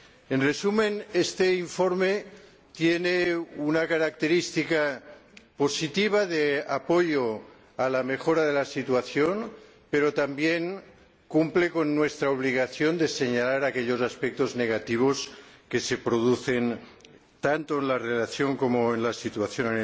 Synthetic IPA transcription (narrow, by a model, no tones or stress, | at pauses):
enresumẽnest̪eiɱfoɾme | t̪jeneunakaɾak̚t̪eɾist̪ika | posit̪iβ̞aðeapoʎo | alamexoɾaðelasit̪uaθjon | peɾot̪ambjeŋ | kumplekonːwest̪ɾaoβ̞liɣ̞aθjo̞nd̪ese̞ɲalaɾakeʎo̞zaspek̚t̪ozneɣ̞at̪iβ̞oskese̞pɾoðuθe̞n | t̪ant̪oenlarelaθjoŋkomoenlasit̪uaθjone